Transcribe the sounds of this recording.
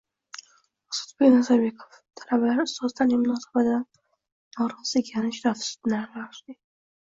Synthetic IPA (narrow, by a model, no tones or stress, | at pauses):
sʊ̥t̪bekʲnazabe̞kʰo̥ft̪ʰalabalaɾɪst̪ɒst̪anemʊnɒsabat̪ɪd̪an | nɒɾɒsɪɡʲʰanɪʃɾafsʊ̥t̪naɾlaɾɪʃd̪ɪ